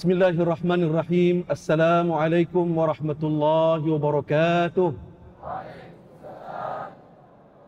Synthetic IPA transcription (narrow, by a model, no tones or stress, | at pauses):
bɪsmɪlːaːhɪʔɑrˤːɑħmaːnʔɑrˤːɑħiːmʔasːalaːmʊʕalajkʊmwɑɾˤɑħmat̪ʊlˤːɑːhɪwɑbɑɾˤɑkaːt̪ʊh